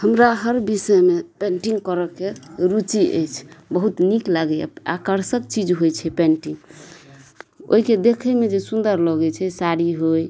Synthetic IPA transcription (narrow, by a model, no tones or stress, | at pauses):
həmɾaɦəɾbisəmepeɳʈiŋɡkəɾəkeɾut͡ʃiʔə̰jt͡ʃʰbəɦut̪niklaɡɛa̰a̰kəɾsək̚t͡ʃid͡ʒɦojt͡ʃʰɛpenʈĩŋɡ | o̰ɦiked̪ekʰɛmed͡ʒesund̪əɾlɔɡɛt͡ʃʰɛsaɾiɦoj